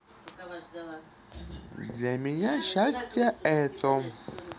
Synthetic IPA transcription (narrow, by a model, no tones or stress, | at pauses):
d̪lʲɐmʲɪnʲaɕːasʲtʲjəɛt̪o